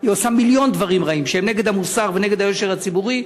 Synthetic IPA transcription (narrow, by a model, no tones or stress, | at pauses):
iosamiljo̞nd̪vaʁimʁaimʃeemneɡed̪hamusaʁvene̞ɡe̞d̪hajo̞ʃeʁat͡sibuʁi